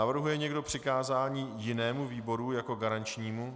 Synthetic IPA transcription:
avr̩ɦujɛɲɛɡdo̞pr̥ɪkaːzaːɲiːjɪnɛːmuviːbo̞ɾujako̞ɡaɾant͡ʃɲiːmu

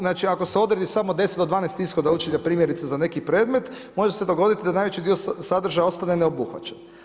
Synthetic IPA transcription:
naːt͡ʃiako̞seo̞d̪ɾed̪isamo̞d̪e̞set̪d̪od̪ʋaːnejst̪isxod̪aut͡ʃiʎapɾiːmʲje̞ɾit̪sezane̞kipɾe̞ːd̪me̞t̪ | mo̞ʒesed̪o̞ɡo̞d̪it̪id̪anaːjʋet͡ʃid̪iosad̪r̩ʒajao̞st̪aneneo̞buxʋa̰t͡ʃen

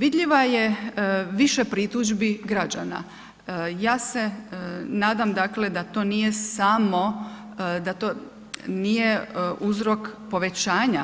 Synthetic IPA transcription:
ʋid̪ʎʲiʋaje̞ʋiʃepɾit̪uʒbiɡɾad͡ʒana̰ | jaːse̞naːd̪amd̪akle̞d̪at̪o̞ːnije̞samo̞ | d̪at̪o | nije̞uzɾo̞kpo̞ʋe̞t͡ɕaːɲa

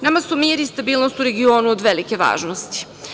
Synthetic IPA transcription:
namasumiːɾist̪abiːlˠno̞st̪uɾe̞ɡio̞ːnuod̪ʋelike̞ʋa̰ːʒnost̪i̥

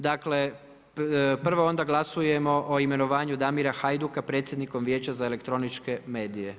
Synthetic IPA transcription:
d̪akle̞ | pr̩ʋoo̞nd̪aɡlˠasuje̞mo̞ʔoime̞noʋaːɲud̪amiɾaxajd̪ukapɾe̞ːt̪sje̞d̪niko̞mʋjeːt͡ɕazaele̞kt̪ɾo̞nit͡ʃke̞me̞ːd̪ije̞

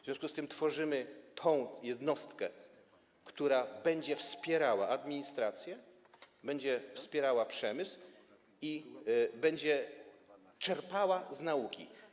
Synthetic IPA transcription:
vzʲjɔ̃skust̪ɘmt̪fɔʐɘmɘt̪ʰɔ̃w̃jɛd̪nɔst̪kɛ | kt̪uɾabɛɲd͡ʑɛfspʲjɛɾawaʔad̪mʲiɲist̪ɾat̪sʲjɛ | bɛɲd͡ʑɛfspʲjɛɾawapʂɛmɘsw | ibɛɲd͡ʑɛ | t͡ʂɛɾpawaznaukʲḭ

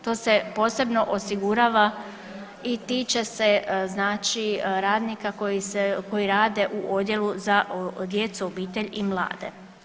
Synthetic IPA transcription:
t̪o̞ːse̞po̞ːse̞bno̞ʔosiɡuɾaːʋa | it̪iːt͡ʃe̞seznaːt͡ʃiɾaːd̪nikakojiseko̞jiɾaːd̪e̞ʔuʔo̞d̪je̞luzad̪je̞t̪suobiːt̪e̞ʎimlˠa̰ːd̪ḛ

